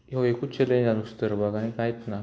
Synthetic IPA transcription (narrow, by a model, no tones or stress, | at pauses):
ewekut͡ɕʰelenanust̪əɾbaɡañikajt̪na